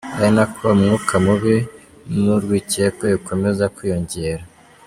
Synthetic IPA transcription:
ainakoβamŋuːkʰamuβi | nuɾɡwiːcekojuko̞me̞zakwijo̞ɲɟe̞ːɾa

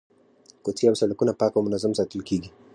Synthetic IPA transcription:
kɔtiausalukunapakɔmunazɔm̩satulkiɡi

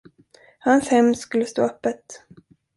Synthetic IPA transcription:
hanshɛmːskɵlːəst̪o̰ːœpːət̪

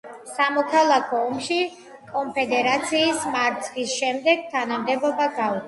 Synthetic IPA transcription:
samɔkʰalˠakʰɔːmʃi | kʼɔmpʰɛd̪ɛɾat̪sʰiːsmaɾt̪sʰχisʃɛmd̪ɛɡ̥̚t̪ʰanamd̪ɛbɔbaɡau

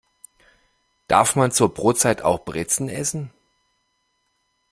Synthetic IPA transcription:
d̥a̰ɐfmant͡suːɐbʁoːt͡saɪtʰa̰ʊxb̥ʁɪt͡sn̩ʔɛsn̩

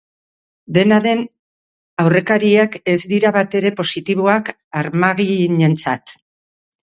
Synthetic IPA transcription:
d̪e̞naðe̞n | awre̞kaɾiake̞zd̪iɾaβat̪e̞ɾe̞po̞sit̪iβ̞oak | aɾmaɣiɲe̞nt͡sa̰t̪

